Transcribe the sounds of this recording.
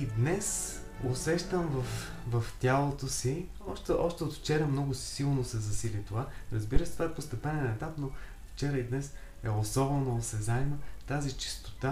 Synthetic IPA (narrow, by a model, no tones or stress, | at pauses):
id̪nɛs | osɛʃt̪əmvɐfvɐft̪ʲalˠot̪osi | ɔʃt̪ɛʔɔʃt̪ɛot̪ft͡ʃɛɾəmnɔɡʊsi̥silˠnosɛzɐsilit̪ovaɾɐzbiɾəst̪ovaɛpost̪ɛpɛnɛnɛt̪apno | ft͡ʃɛɾəid̪nɛs | ɛosɔbɛnosɛzaɛmət̪azit͡ʃi̥st̪o̥t̪a